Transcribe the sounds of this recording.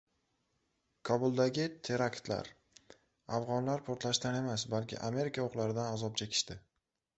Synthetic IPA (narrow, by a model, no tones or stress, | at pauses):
kʰɒbʊlˠd̪aɡʲɪt̪ʰe̞ɾakt̪la̰ɾ | avʁɒnlaɾpʰoɾt̪laʃt̪ane̞masbalˠkʲʰɪ̰ʔame̞ɾɪkʰaoqlaɾɪd̪anazɒp̚t͡ʃʰekʲʰɪ̥ʃt̪ɪ